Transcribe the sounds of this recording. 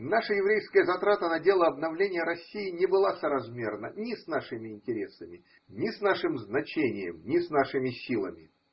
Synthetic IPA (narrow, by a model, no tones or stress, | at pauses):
naʂəjɪvɾʲejskəjəzɐt̪ɾat̪ənɐdʲe̞lˠəɐbnɐvlʲenʲɪjəɾɐsʲːijɪnʲɪbɨlˠasəɾɐzmʲe̞rnənʲɪsnaʂɨmʲɪɪnʲtʲɪɾʲesəmʲɪ | nʲɪsnaʂɨmznɐt͡ɕenʲɪjə̰mnʲɪsnaʂɨmʲɪsʲilˠəmʲɪ